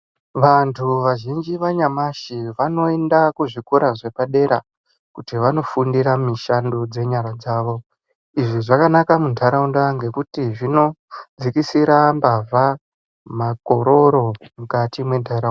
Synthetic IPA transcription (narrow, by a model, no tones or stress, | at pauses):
ʋantʰuʋaʒind͡ʒiʋaɲamaʃiʋano̞endakuʐikuɾaʐe̞paɗe̞ɾa | kutiʋano̞fundiɾamiʃandod͡ze̞ɲaɾad͡zaːʋo̞ | iʐiʐakanakamuntʰaɾaundaŋɡe̞kutiʐino̞d͡zikisiɾambavʱa | mako̞ɾo̞ɾo̞mukatimwe̞ntʰaɾa